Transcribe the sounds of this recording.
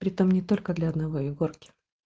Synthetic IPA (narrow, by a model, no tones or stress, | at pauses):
pɾʲɪt̪o̞mnʲɪt̪o̞lʲkəd̪lʲɐɐd̪nɐvo̞ɪɡorkʲɪ̥